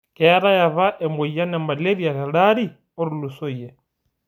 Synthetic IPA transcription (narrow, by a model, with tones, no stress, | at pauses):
kɛ˦ɾa˦ja˨βa˦ʔɛmɔ˨ija˦nɛ˨ma˨le˦βi˦a˨ɣa˨ɺa˦ɾi˦ | o˦ɾu˨lu˨so˦i˨jɛ